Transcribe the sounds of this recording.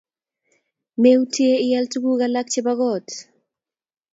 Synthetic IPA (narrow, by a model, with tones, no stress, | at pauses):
me˦utje˦ɪ˦ja˦ltu˦ɡu˦ɡalak̚t͡ʃe˦baɣɔ˦t